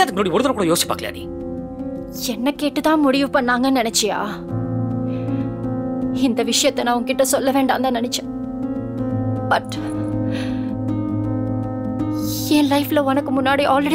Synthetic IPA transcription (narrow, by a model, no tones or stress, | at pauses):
aːt̪kːmnoːɽiɔɽɯðɐɾɐkuːɽɐjoːsi̥pːaːkːɐlja̰ːnḭː | ɛnːɐkːeːʈːut̪ãːmʊɽɪjupɐɳːaːŋɡɐnɛnɐt͡ʃːɪja̰ː | ɪnd̪ɐʋɪʂɐjɐt̪ːɐnɐʋɐŋkɪʈːɐsɔlːɐʋeːɳɖaːnd̪aːnɐnɐt͡ʃːɐ̥ | bɐʈ | eːnlɐɪflɐɔnɐkːumʊnːaːɽiʔaːlɾeɽ